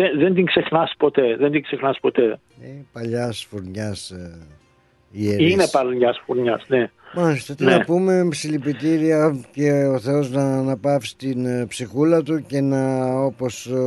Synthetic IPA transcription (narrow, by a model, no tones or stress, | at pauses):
enðe̞nd̪iŋɡse̞xnɐspo̞t̪e̞ðend̪iŋɡse̞xnɐspo̞t̪e̞ | inepɐʎɐsfuɾɲɐs | ieinepɐlʎɐsfuɾɲɐsnemɐst̪et̪innɐpume̞msilipit̪iɾiɐce̞oθe̞o̞znɐnɐpɐfst̪inpsixulɐt̪uce̞nɐo̞po̞s